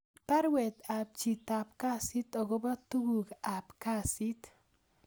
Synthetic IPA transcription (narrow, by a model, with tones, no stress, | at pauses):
ta˦ɾwɛ˨t̪a˨p̚t͡ʃi˨t̪a˨p̚ka˦si˦t̪ɔ˨ɡo˦ba˦t̪u˦ɡu˨ka˨pka˦si˦t̪